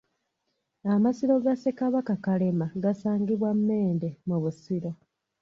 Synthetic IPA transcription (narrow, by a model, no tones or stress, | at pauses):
amasiɾo̞ɡasekaβakakalemaɡasaːŋɡiβwamːe̞ːndemuβusiɾo